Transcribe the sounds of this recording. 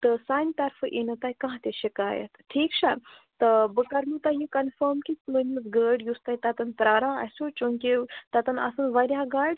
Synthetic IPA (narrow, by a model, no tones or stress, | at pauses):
t̪əsaːnt̪ɐɾfəʔenət̪ajkãɦãt̪eɕikaːjɐ̰t̪ʈʰiːkʂa | t̪əbəkɐɾnut̪ajĩkɐnfəɾmkit͡smənusɡəɖjust̪ajt̪at̪ɐnpɾaːɾãɐ̰sot͡ʃoŋket̪at̪ɐnɐ̰sɐnʋɐɾʲjaɡaɾɖ